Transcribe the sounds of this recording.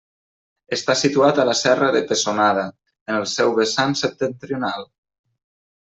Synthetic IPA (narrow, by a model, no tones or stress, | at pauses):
əst̪asit̪uat̪əlasɛrəðəpəsonaðə | ənəlˠsɛwβəsansəp̚t̪ənt̪ɾiunalˠ